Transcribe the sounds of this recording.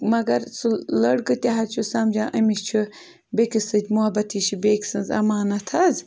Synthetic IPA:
mɐɡɐɾsɨlɐɽɡɨt̪ʲɐɦɐt͡ʃʰusɐmd͡ʒãːʔɐmiʃt͡ʃʰu | bekʲisɨt̪ʲmuɐbɐt̪ʰiːʃʰibeːkʲsɨnzɐ̰maːnɐt̪ʰɐz

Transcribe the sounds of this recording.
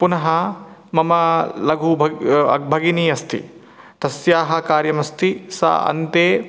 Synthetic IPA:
punɐɦɐmɐmɐlɐɡʱubʱɐɐ̰bʱɐɡiniːɐst̪ʰḭ | t̪ɐsjaːɦɐ̆kaːɾjɐmɐst̪ʰisɐ̰ɐ̰nt̪eː

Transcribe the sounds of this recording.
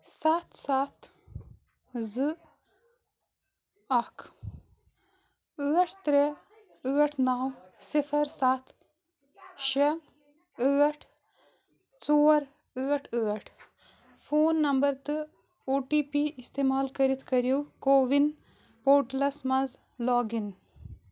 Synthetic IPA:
saːt̪saːt̪ | zɨ | ɐkʰ | əːʈʰt̪ɾe | əːʈʰnaw | sifɐɾsaːt̪ | ʃɐ | əːʈʰ | t͡soːɾ | əːʈʰəːʈʰ | foːnːɐmbɐɾt̪ɨ | oːʈiːpiist̪eːmaːlkɐɾit̪ʰkɐɾjiwkoːʋin | poːʈlɐsmɐz | laːɡin

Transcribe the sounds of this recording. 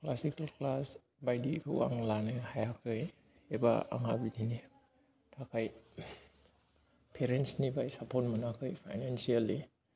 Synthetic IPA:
klasikalklas | bajdikʰɯw̰a̰ŋlanɯhajakʰɯj | eba̰a̰ŋabidini | tʰakʰaj | pʰeɾensnibajsapʰɔt̚manakʰɯjpʰajnansiali

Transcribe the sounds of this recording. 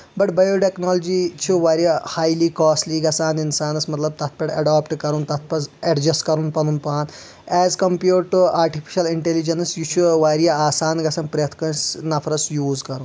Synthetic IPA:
bɐʈbɐjoːʈeknoːlɐd͡ʒiːt͡ʃʰuʋaːɾijahaːjliːkɔːsliːɡɐsaːninsaːnɐsmɐt̪lɐb̚t̪ɐt̪̚ʰpɐʈɐ̰ɖaːpʈkɐɾunt̪ɐt̪̚ʰpɐsɛɖd͡ʒɐskɐɾunpɐnunpaːn | ɛːzkɐmpjuːʈʈːuaːɾʈipʰi̥ʃɐliɳʈelid͡ʒɐnsjut͡ʃʰuʋaːɾijaaːsaːnɡɐsɐːnpɾɐjɐt̪ʰkɐnsnɐpʰɾɐsjuːzkɐɾũn

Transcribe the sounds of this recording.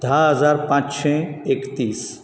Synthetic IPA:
d̪ʱaɦəzaːɾpãːt͡ʃʃẽekt̪iːs

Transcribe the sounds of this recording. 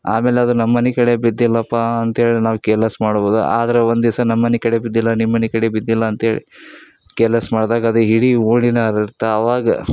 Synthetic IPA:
aːmeːleɐd̪unɐmːɐnikɐɽe̞bid̪ːilːɐpːɐɐnt̪ɐɦeːɭinaːʋukelɐsmaːɽboːd̪ṵʔa̰ːd̪ɐɾeond̪isɐnɐmːɐnikɐɽebid̪ːilːɐnimːɐnikɐɽebid̪ːilːɐɐnt̪ɦe̞ːɭḭ | kɛlɐsmaːɽd̪aːɡɐaːd̪eɦiɽiuːɳinɐɾiɾt̪ɐɐʋaːɡɐ̰

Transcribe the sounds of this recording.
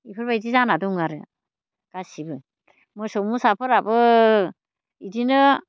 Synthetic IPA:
ipʰɯɾbaidizanaduŋaɾɯ | ɡ̥asibɯ | mɯsɔmusapʰɔɾabɯ | idinɯ

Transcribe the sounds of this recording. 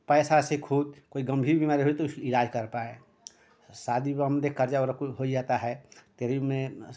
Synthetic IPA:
pɛːsasekʰud̪koiɡəmbʱiɾbimaːɾiɦoit̪oiɾad͡ʒkəɾpae | sad̪ʱiəmd̪ekəɾd͡ʒaɔɾkɦoid͡ʒat̪aɦɛt̪eɾimẽ

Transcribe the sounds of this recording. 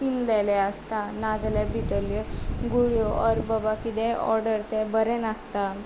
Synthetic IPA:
pinlɛlɛəst̪anad͡zlebʱit̪əljɔɡuɭjoəɾbəbakid̪ɛɔ̰ɾɖəɾt̪ɛbəɾɛnast̪a

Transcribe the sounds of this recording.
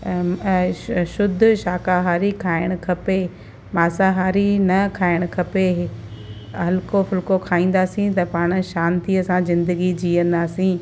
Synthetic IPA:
ʃʊd̪ʱʊʃaːkaɦaːɾikʰaːɪɽ̃ʊkʰɐpe | maːsaɦaːɾinɐkʰaːɪɽ̃ʊ̆kʰɐpe | ɐlkofɪlkokʰaːĩːn̆d̪aːsĩt̪ɐpaːɽ̃ʊ̆ʃaːnt̪iɐsãzɪ̃nd̪əɡid͡ʑiːə̃nd̪aːsĩ

